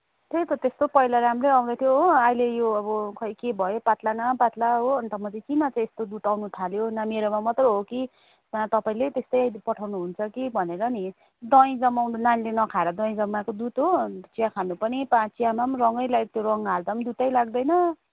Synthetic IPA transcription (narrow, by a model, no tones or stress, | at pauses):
t̪ʰet̪ʌt̪est̪opʌjlaɾamrejʌw̃d̪ʌt̪ʰjoɦoajlejoʌbʌkʰʌjkebʱʌjopat̪lanʌpat̪laɦoʌnt̪ʌmʌtikinʌt͡saĩest̪od̪ut̪awnut̪ʰaljonameɾomamʌt̪rʌɦoki | at̪ʌpaĩlet̪est̪ʌjajpʌʈʰawnuɦunt͡sʰʌkibʱʌneɾʌni | d̪ʌj̃d͡zʌmawnanilenʌkʰaɾʌd̪ʌ̃j̃d͡zʌmːakod̪ut̪ɦot͡sijakʰanupʌnipãt͡sijamamrʌŋʌjlat̪joɾʌŋɦald̪ʌmd̪ut̪ʌjlaɡ̚d̪ʌjnʌ